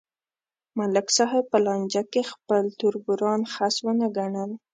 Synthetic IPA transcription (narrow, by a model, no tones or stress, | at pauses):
malaksaɦapəlɑnʲd͡ʒakexpəlt̪ʊɾbʊɾɑnxaswənəɡaɳəl